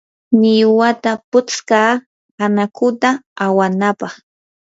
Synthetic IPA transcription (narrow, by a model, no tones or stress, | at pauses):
nɪjʊwat̪apʊt͡skaː | anakʊt̪aawanapɑχ